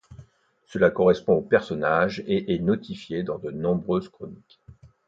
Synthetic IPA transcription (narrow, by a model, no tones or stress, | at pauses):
səlakɔʁɛspɔ̃opɛʁsɔnaʒeʔɛnɔt̪ifjed̪ɑ̃d̪ənɔ̃bʁøzkχɔnik